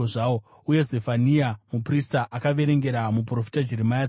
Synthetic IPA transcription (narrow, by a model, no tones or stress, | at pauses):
oʐao | uje̞zefaniamupristaʔakaʋe̞ɾe̞ŋɡe̞ɾamupuro̞fi̥tad͡ʒiɾemaja